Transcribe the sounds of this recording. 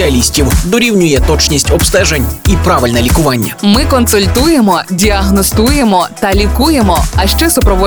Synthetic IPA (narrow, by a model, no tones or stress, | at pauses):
ɐlʲisʲtʲiwd̪ɔɾʲiwnʲʊjɛt̪ɔt͡ʃnʲisʲtʲɔbst̪ɛʒenʲipɾɑʋɪlʲnɛlʲikʊʋɑnʲːɐ̰mɪkɔnsʊlʲt̪uje̞mɔdʲiɐɦnɔst̪uje̞mɔt̪ɐlʲikuje̞mɔɐʃt͡ʃɛsʊpɾɔʋɔ